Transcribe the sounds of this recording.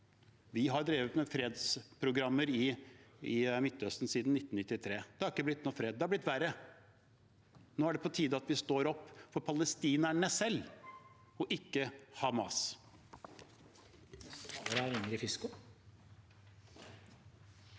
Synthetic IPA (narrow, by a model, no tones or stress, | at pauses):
ʋɪɦɑɾɖ̪ɾeːʋət̪mɛfɾeːd̪spʰɾʊɡɾɑmːəɾɪɪmɪt̪ːœst̪n̩siːd̪n̩ɪt̪ːn̩nɪt̪ːɪt̪ʰɾeːd̪ɛhɑɾɪkːəblɪt̪̚nɔfɾeːd̪d̪ɛhɑblɪt̪ːʋæɾə | noːæɖɛpʰɔt̪ʰiːd̪əɑt̪ʋɪst̪oːɾɔpːfɔɾpʰɑləst̪iːnæɳəsɛlː | ɔʔɪkːəhɑmɑs | ɾæɾɪŋəɾɪfɪskʊ